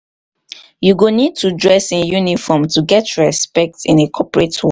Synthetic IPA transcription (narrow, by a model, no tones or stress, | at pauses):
juɡonid̚tʰudɹɛsĩnjunifɔmtʰuɡɛtʰɹɛspɛk̚tɪ̃nekʰɔpɹetwe